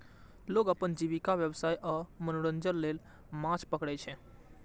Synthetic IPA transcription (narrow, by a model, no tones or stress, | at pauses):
loɡəpənd͡ʒiβikaʋjəbsajʔɔmənoɽənd͡ʒəlːel | mãt͡ʃʰpəkɽɛt͡ʃʰɛ